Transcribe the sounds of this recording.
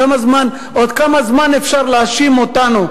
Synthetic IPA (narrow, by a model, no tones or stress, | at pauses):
ɐmɐzmaːn | ot̪kɐmɐzmaːnefʂaɾlaːʃimot̪aːno